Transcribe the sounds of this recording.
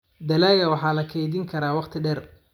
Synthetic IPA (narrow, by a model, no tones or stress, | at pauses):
d̪ɐlaːɣɐwɑħɑːlɐkʰɛjðɪŋkʰɐɾaːwɑqt̪ʰɪɖɛr